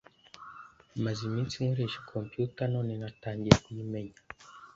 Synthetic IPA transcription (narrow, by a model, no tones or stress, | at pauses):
mazimit͡siŋɾiʃkʰɔmpjutanɔninataŋɡiakuimɛɲa